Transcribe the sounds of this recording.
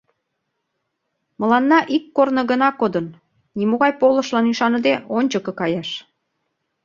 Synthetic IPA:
məlɑnːɑʔikːornə̆ɣənɑkod̪ən | nimoɣɑjpolə̆ʃlɑniʃɑnə̆d̪eonʲt͡ɕəkɤ̆kɑjɑʃ

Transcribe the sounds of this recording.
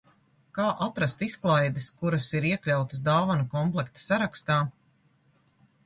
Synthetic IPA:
kaːʔat̪ɾast̪isklˠajd̪ɪskuɾɐsiɾiɛklʲawt̪əsd̪aːvanukɔmplˠɛkt̪saɾakst̪aː

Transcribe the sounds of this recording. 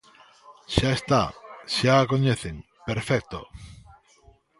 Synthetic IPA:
ʃaest̪a̰ʃaːkoɲeθeŋ | peɾfɛk̚t̪o

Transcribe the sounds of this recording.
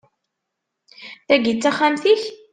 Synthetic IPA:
θæɡit͡sːæχːamθiç

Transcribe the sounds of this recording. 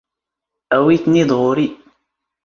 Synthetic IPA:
ʔæwit̪nid̪ˤʁʊɾi

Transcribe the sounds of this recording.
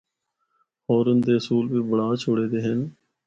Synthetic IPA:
ɔːɾʊnd̪eːəsuːlbiːbəɽaːt͡ʃʰoːɽeːd̪eːɦən

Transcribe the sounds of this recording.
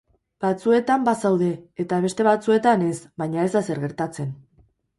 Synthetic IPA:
b̥at͡sue̞t̪ambasawðe̞ːt̪aβ̞e̞st̪e̞βat͡sue̞t̪ane̞sbajɲae̞zðase̞ɾɣe̞ɾt̪at͡se̞n

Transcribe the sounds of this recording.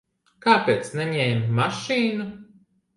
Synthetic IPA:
kaːpʲeːt̪snɛɲɛːjmːaʃiːnu

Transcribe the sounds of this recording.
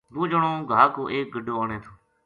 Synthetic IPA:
b̪oːd͡ʒəɳõːɡʱaːkoːʔeːk̚ɡəɖoːaːɳẽːt̪ʰoː

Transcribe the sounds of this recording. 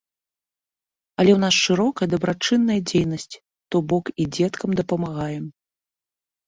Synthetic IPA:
ɐlʲɛwnasʂɨɾɔkɐjɐd̪ɐbɾat͡ʂɨnːɐjɐd͡zʲejnɐsʲt͡sʲ | t̪ɔbɔkid͡zʲɛt̪kɐmd̪ɐpɐmaɣajɛm

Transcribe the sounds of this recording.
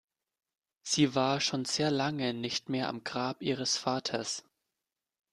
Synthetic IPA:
z̥iːvaːɐʃoːnz̥eːɐlaŋənɪçtmeːɐʔa̰mɡʁaːpʔiːʁ̞əsfaːtʰɐs

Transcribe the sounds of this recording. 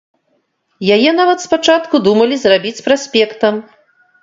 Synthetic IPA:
jajɛnavɐt̪spat͡ʂat̪kud̪umɐlʲizrabʲit͡sʲpɾasʲpʲɛkt̪ɐm

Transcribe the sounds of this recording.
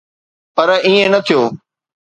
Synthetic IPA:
pɐɾĩːẽnɐt̪ʰijoː

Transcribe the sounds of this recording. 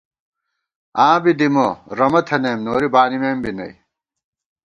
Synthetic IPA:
ãːbid̪imoɾɐmɐt̪ʰɐneːmnoːɾibaːnimeːmbinɐ̰j

